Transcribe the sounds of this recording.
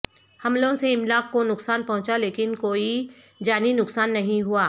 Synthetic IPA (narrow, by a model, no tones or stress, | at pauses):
hɐmlõseɪmlaːkːonʊksaːnpɐɦʊ̃t͡ʃaleːkɪnkoːi | d͡ʒaːninʊksaːnːɐɦĩɦuaː